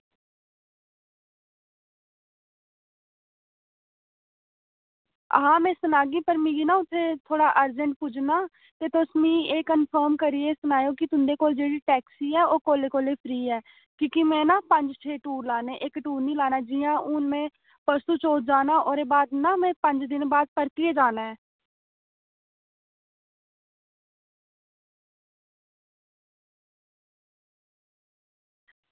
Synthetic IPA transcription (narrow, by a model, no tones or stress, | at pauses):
ɦãːmɛ̃ːsənaːɡiːpəɾmĩːɡinãːʊt̪ʰːeːt̪ʰoːɽaːʔəɾd͡ʒəɳʈ̚puːd͡ʒnaː | t̪eːt̪osmĩːeːkənpʰəːɾmkəɾiestənaːjoːkɪt̪ʊnd̪eːkoːld͡ʒeːɽiːʈɛːksiːɛːoːkoːleːkoːleːpʰɾiːɛː | kõːkimɛ̃ːnaːpə̃ɲd͡ʒt͡ʃʰeːʈuːɾlaːneːʔɪkʈuːɾnĩːlaːnaːd͡ʒɪːjãːʔʊnmẽː | pəst̪uːt͡ʃoːt̚d͡ʒaːnaːʔoːɾeːbaːd̪naːmɛ̃ːpə̃ɲd͡ʒd̪ɪnbaːd̪̚pəɾt̪ɪeːd͡ʒaːnaːɛː